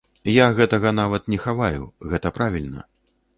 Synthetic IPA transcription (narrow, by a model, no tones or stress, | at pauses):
jaɣɛt̪ɐɣɐnavɐt̪nʲɛxavajṵɣɛt̪ɐpɾavʲilʲnɐ̰